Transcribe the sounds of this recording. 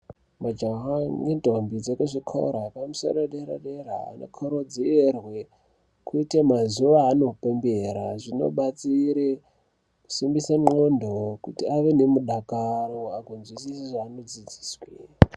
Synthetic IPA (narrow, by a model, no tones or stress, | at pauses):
mad͡ʒaɦaŋendʱombid͡zekuʐikʰo̰ɾapamusa̰ɗaɗeɾa̰ɗeɾa̰ːno̰kʰoɾod͡zierwe | kuitemazuʋaːno̞pembeɾaʐino̞̰ɓat͡siɾe | ku̥simbisaŋ͡ǃondʱokutiaʋenemuɗakaɾoakonzwisiseʐaːno̞d͡zid͡zi̥ːswe